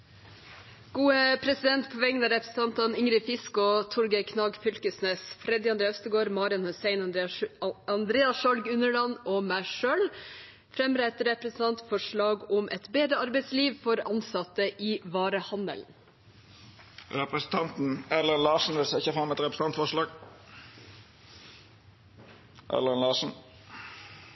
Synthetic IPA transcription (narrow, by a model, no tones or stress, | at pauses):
ɡ̥uːəpʰɾɛsɪd̪ɛnt̪pʰɔʋɛŋːənɑɾɛpɾəsn̩t̪ɑnt̪ɑnʏŋɾɪfɪskɔt̪ʰʊɾɡəɪkʰnɑːɡfʏlkəsneːsfɾɛd̪ɪɑnd̪ɾeːœst̪əɡoːɾmɑːɾɪɑnhʊseɪn | ɑnd̪ɾeːɑsʃɑlɡʉnəɭɑnoːmæɪʂøːl | fɾɛmɾɛt̪ɾɛpɾɛsn̩t̪ɑnt̪fɔʂɭɑːɡʊmʔɛ̰t̪beːd̪ɾəɑɾbɛɪt̪sliːʋfɔɾɑnsɑt̪əʔiːʋɑːɾəhɑnd̪ə̰ln̩ | ɾɛpɾəsn̩t̪ʰɑnt̪n̩ɛlənlɑːʂn̩ʋɪlsɛɪçəfɾɑmɛt̪ɾɛpɾəs̩ɑnt̪fɔʂlɑːɡ | ʔɛ̰ləənlɑːʂn̩